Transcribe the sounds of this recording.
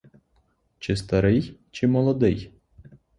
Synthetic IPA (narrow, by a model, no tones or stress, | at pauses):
t͡ʃɪst̪ɐɾɪjt͡ʃɪmɔlˠɔd̪ɪj